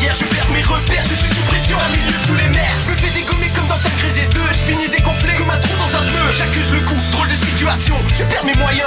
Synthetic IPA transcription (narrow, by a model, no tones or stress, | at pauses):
jɛʁʒəpɛʁmeʁəfɛʁʒəsɛsypχesjɔ̃amiljəsulemɛʁʒəməfɛd̪ekɔmikɔmd̪ɑ̃t̪akʁized̪øʒəfiɲid̪ekɔ̃flɛkumat̪χud̪ɑ̃zɛ̃pøʒakʲyzləkɔ̃t̪χold̪əsit̪yasjɔ̃ʒəpɛʁmemwajɛ̃